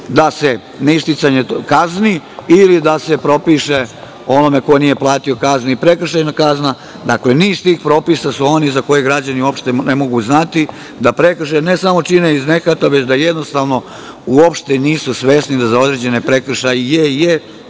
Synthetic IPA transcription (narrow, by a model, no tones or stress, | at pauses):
d̪ase̞ | neist̪it̪saɲekazniːlid̪ase̞pɾo̞piːʃe̞ | o̞no̞me̞ko̞nije̞plˠaːt̪io̞kazniipɾe̞kr̩ʃajnakazna | d̪akle̞niːzt̪iːxpɾo̞ːpisasuo̞nizako̞jeɡɾad͡ʑaniuo̞pʃt̪enemo̞ɡuznat̪i | d̪apɾe̞kr̩ʃene̞samo̞t͡ʃineizne̞kat̪aʋet͡ɕd̪ajed̪no̞st̪aʋno̞ | uopʃt̪e̞niːsusʋe̞snid̪azao̞d̪ɾe̞ːd͡ʑe̞ne̞pɾekr̩ʃajjeje